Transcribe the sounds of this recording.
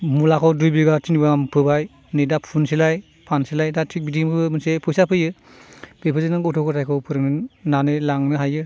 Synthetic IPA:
mulakʰɔwdujbiɡatʰinibaampʰɯbaj | nɯjdapʰunsilaj | pʰansilajdatʰibidimɯmɯnsepʰɔjsapʰɯjɯ | b̥epʰɯzenɯŋɔtʰɔkʰɯtʰajkʰɔwpʰɯɾɯŋnɯnanɯlaŋnɯɦajɯ

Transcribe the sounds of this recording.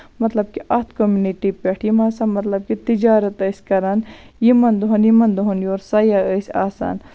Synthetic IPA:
mɐt̪lɐb̚kiʔɐt̪ʰkomuniʈipeʈʰjimɐːsɐmɐt̪lɐb̚kit̪id͡ʒaːɾɐt̪əːsʲkɐɾɐnjimɐnd̪uɦɐnjimɐnd̪uɦɐnjoːɾsɐjaəsʲa̰ːsa̰ːn

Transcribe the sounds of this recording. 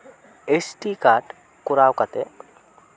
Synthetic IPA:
esʈikaːɾʈ | kʊɾaːwkat̪e

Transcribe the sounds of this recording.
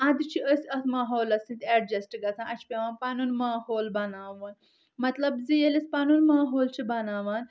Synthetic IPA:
ɐ̃d̪t͡ʃʰiəsʲɐt̪ʰmaːɦoːlɐsĩnt̪eɖd͡ʒɐsʈiɡɐt͡sʰãːʔɐt͡ʃʰi̥pʲeʋaːnpɐnunmaːhoːlbɐnaːʋuːn | mɐt̪lɐbzijelispɐnunmaːɦoːlt͡ʃʰibɐnaːʋaːn

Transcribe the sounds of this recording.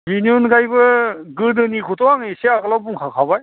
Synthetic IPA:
biniunɡajbɯɡɯdɯnikʰutʰɔwaŋeseakɯlawbuŋkʰakʰabaj

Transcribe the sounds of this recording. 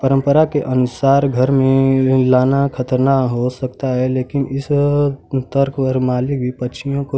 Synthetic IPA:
pəɾə̃mpəɾakeʔənʊsaːɾɡʱəɾmẽlaːnakʰət̪əɾnaɦosək̚t̪aɦɛleːkɪnɪs | t̪əɾkʰpəɾmaːlɪk̚bʱipətːt͡ʃʰijõko

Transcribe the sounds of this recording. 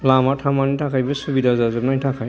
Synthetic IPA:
lamatʰamanitʰakʰajbɯsubidazazɔpnajtʰakʰaj

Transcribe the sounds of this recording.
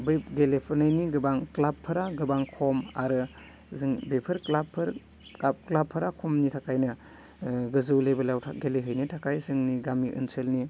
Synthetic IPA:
beɡelepʰɯnɯjniɡɯbaŋklapʰːɯɾaɡɯbaŋkʰɔma̰ɾɯ | zɯŋbepʰɯɾklapʰːɯɾ | aklapʰːɯɾakʰɔmnitʰakajnɯ | ɡɯzɯwlebɯlawtʰaɡeleɦɯjnitʰakajzɯŋniɡamiʔɯ̰nsʰelni

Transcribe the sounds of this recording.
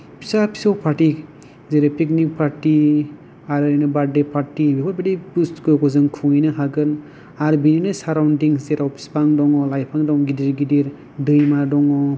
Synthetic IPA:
pʰi̥sapʰi̥sɔwpʰaɾʈik | zeɾepʰik̚nik̚pʰaɾti | aɾɯjnɯbadepʰaɾtibipʰɔɾbadipuskɯkɔzɯŋkʰuinɯɦaɡɯn | aɾbininɯsaɾawndiŋszeɾawpʰi̥spaŋdɔŋɔlajpʰaŋdɔŋɡidiɾɡidiɾ | dɯjmadɔŋɔ

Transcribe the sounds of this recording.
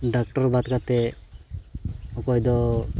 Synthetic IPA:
ɖakʈɔɾbat̪kat̪ɛ | ɔkɔjd̪ɔ

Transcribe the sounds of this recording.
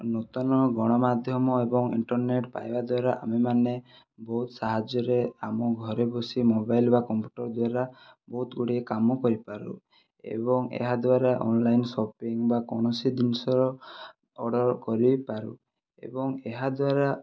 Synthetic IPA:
not̪ɔnɔɡɔɽ̃ɔmad̪ʱjɔmɔebɔŋḭɳʈɔɾneʈpa̰jbad̪waɾaʔa̰memane | bɔɦut̪saɦad͡ʒɔɾeamɔɡʱɔɾebɔsimobajlbakɔmpju̥ʈɔɾd̪waɾabɔɦut̪ɡuɽiekamɔkɔɾipaɾṵ | ḛbɔŋḛɦad̪waɾaʔɔ̰nlajnsɔpiŋbakɔɽ̃ɔsid̪insɔɾɔ | ɔɽɔɾkɔɾipaɾṵ | ḛbɔŋeɦad̪waɾa

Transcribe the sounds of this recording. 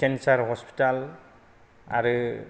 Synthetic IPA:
kɛnsaɹɦɔspi̥tal | a̰ɹu

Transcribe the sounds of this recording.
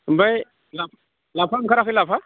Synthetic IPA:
mbaj | laf | lafamkaɾaxilafa

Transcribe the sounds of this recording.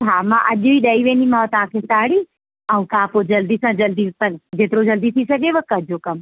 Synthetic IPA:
t͡ʃʰaːmãːʔɐʄoiɗɐiʋẽːnd̪imat̪ãːkʰesaːɽi | ɐũkãːpod͡ʑɐld̪isãd͡ʑɐld̪ipɐld͡ʑeːt̪ɪɾod͡ʑɐld̪it̪ʰisɐɡʱeʋəkɐʄokɐm

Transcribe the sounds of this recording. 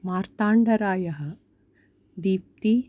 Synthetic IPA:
maːɾt̪aːɳɖɐɾaːjɐɦɐ̆ | d̪iːp̚t̪i

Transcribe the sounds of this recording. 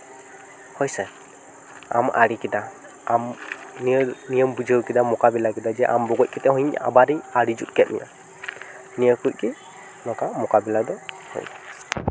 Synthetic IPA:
hɔjsɛ | a̰ma̰ɽikid̪a | amnənijəmbud͡ʒəwkid̪amɔkabɛlakɛd̪ad͡ʒɛʔa̰mbɔɡɔc̚kʰɛt̪ɛhɔjɲʔa̰ʔa̰baɾijaɽid͡ʒut̪̚kɛt̪̚mɛ̰ʔa | nijəkuc̚ki | nɔkamɔkabɛlad̪ɔ | hɔ̰jḁ

